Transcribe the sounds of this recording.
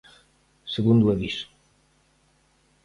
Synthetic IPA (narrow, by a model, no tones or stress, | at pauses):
səɣund̪uəβis